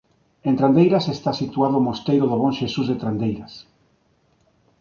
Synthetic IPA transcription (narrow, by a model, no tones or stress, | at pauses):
ẽnt̪ɾand̪ejɾasest̪asit̪uaðʊmost̪ejɾoðoβõnʃesuzðet̪ɾand̪ejɾas